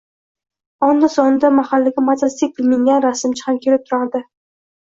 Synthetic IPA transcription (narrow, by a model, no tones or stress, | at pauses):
ɒnd̪asɒnɪd̪amahalːɪɡʲamat̪ast̪ɪk̚ʲpɪlmɪŋɡʲanɾasɪmt͡ʃʰɪ̥hamkʲʰe̞lɪp̚t̪ʰʊɾaɾd̪ɪ